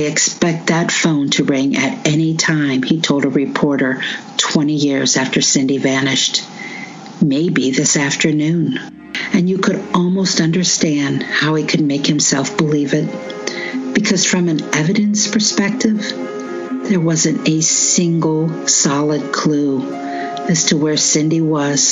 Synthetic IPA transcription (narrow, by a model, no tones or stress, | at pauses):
ɪɨkspɛk̚t̪̚ðɨtfõʊ̃ntʰɨɹɪ̃ŋʔɨ̰ɾɛñitʰãɪ̃mitʰoʊlˠdəɹɨpʰɔɹɾə˞tʰw̥ɛ̃ɾ̃ijɪɹzæftʰə˞sɪ̃ndivænɪʃt | meɪbiðɪsæftə˞nʉ̃n | ɨ̃njɨkʰɨɾɔlˠmoʊstʌ̃ndə˞stæ̃nd̥haʊikʰɨd̚meɪkhɨ̃msɛlˠfb̥əlivɪt̚ | b̥ɨkʰʌz̥fɹʌ̃mɨ̃nɛvɨɾɨ̃nspʰə˞spɛk̚tɪv | ðə˞wʌzɨ̃ntɨsɪ̃ŋɡl̩ˠsɑlˠəd̚kʰl̥u | ɨz̥tʰəwə˞sɪ̃ndiwʌz̥